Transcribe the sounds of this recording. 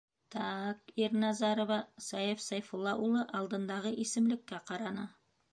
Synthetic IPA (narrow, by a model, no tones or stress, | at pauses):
t̪ʰɑkeɾnɑzɑɾovɑsɑjefsɑjfulˠːɑʔulˠəʔɑlˠd̪ənd̪ɑʁəʔesɪmlɪkʲːeqʰɑɾɑnə